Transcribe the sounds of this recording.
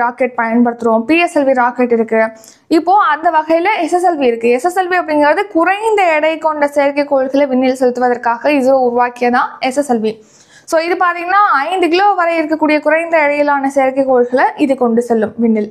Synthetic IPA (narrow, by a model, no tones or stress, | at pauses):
ɾaːkɛʈ̚pɐjɐnpɐɽɯt̪ːɯɾoːmpiːɛsɛlʋiɾaːkɛʈːɪɾɯkːɯ | ɪpːoːɐnd̪ɐʋɐɣɐjɪlɐɛsɛsɛlʋiɪɾɯkːɯɛsɛsɛlʋiɐpːɐɽɪŋɡɐɾɐðɯkʊɾɐɪnd̪ɐɪɽɐɪkɔɳɖɐseːɾkɐɪkːoːɻɭɣɐɭɐʋɪɳːɪlsɔlːɪt̪ːɯʋɐðɐɾkaːɣɐɪðɯʋʊɾʊʋaːkɪjɐðãːɛsɛsɛlʋi | soːɪðɯpaːɾt̪ĩːŋɡɐnaːɐɪnd̪ɯkɪloːʋɐɾɐɪɪɾɯkːɐkːuːɽɪjɐkʊɾɐɪnd̪ɐɪɽɐjɪlaːnɐseːɐɾkɐɪkːoːɻɭɣɐɭɐʔɪðɯkɔɳɖɯsɛlːɯmʋɪnːɪl